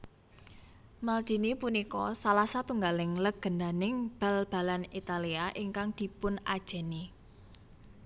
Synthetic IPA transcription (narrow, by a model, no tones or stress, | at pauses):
malt͡ʃi̤nipunikɔsalasat̪uŋɡalɪŋləɡ̥ə̤nd̪a̤nɪŋb̥a̤lb̥a̤lanit̪aliaʔiŋkaŋd̪̥i̤pʊnad̥ʒ̥ɛ̤ni